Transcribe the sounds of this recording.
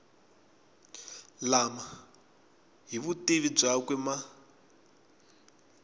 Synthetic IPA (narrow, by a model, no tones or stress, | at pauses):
lama | ɦiβutiβib͡ʐakwɛma